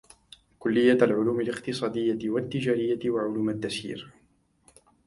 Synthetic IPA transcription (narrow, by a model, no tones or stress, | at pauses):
kʊlːɪjːalʕʊluːmɪlɪqt̪ɨsˤɑːd̪ɪjːaɪwat̪ːɪd͡ʒaːɾɪjːaɪwaʕʊluːmad̪ːasḭːɾ